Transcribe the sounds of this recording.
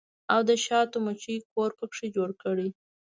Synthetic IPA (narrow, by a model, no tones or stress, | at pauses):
awd̪əʃɑt̪omat͡ʃikoɾpəkʂid͡ʒoɽkəɽi